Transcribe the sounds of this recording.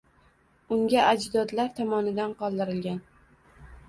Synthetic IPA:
ʊŋɡʲaʔad͡ʒd̪ɒd̪laɾt̪ʰɒmɒnɪd̪anqɒlˠd̪ɪɾɪlɡʲan

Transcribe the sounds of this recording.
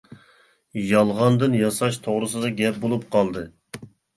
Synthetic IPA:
jɑlˠʁɑnd̪ɨnjɑsɑʃt̪ʰoʁɾɨsɨd̪ɑɡʲɛp̚bolˠup̚qʰɑlˠd̪ɨ

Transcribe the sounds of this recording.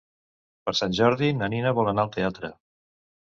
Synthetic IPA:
pəɾsanʲʒɔɾðinəninəβɔlˠənaəlˠt̪eat̪ɾə

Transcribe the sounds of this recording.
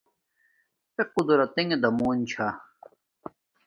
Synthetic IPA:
t̪equd̪uɾɐt̪eŋed̪ɐmuːnt͡ɕʰa

